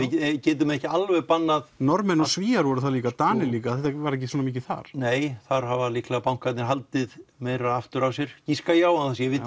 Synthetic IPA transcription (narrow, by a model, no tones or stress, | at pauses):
ɪcɛːt̪̬ʏmɛhcɪalvɛɣpanːaðnɔɾmɛnɔsviːaɾvɔɾʏθaliːkat̪aːnɪliːkaθɛt̪ːvaɾɛc̬ːɪsɔːnamiːc̬ɪθa̰ɾ̥neːjθaɾ̥havaliklapawŋkat̪nɪɾɦalt̪ɪðmeðɾaðaft̪ʏɾawsjɛɾ̥ciskajaːwanθasjɛvɪ